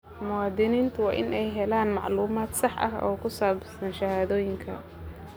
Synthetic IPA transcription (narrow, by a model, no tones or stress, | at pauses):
mʊwɑːd̪ɪniːnt̪ʰʊwɑːʔɪ̰nʔɛjɦɛlaːnmɑ̰ʕluːmaːd̪sɑħʔɐ̰ɦɔ̰ːkʰʊsaːbsɐnʃɐhaːðɔːjɪŋkʰɐ